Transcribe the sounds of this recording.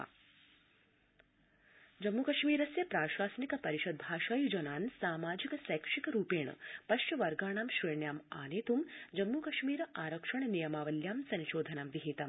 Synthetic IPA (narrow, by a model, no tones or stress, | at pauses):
d͡ʒɐmːukɐʃmiːɾɐsjɐpɾaːʃaːsnikɐpɐɾiʃɐd̪̚bʱaːʃaːjid͡ʒɐnaːnsaːmaːd͡ʒikɐsɐjkʂikɐɾuːpeːɳɐ̰pɐʃt͡ʃɐʋɐɾɡaːɳ̃aːmʃɾɐːɳjaːmaːneːt̪umd͡ʒɐmːukɐʃmiːɾɐʔaːɾɐkʂɐɳnijɐmaːʋɐljaːmsɐ̃nʃoːd̪ʱɐnaːmʋiɦit̪ɐm